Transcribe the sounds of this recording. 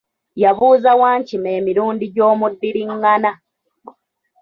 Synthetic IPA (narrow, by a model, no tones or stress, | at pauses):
jaβuːzawaːɲcime̞ːmiɾuːndiɟo̞ːmudːiɾiŋːana